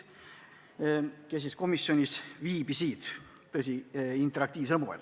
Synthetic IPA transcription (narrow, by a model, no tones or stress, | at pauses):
kes̬isko̞misjo̞nʲisviːb̥isiːt̪ː | ɤs̬ʲiint̪eɾɑkt̪iːvs̬elmuḛl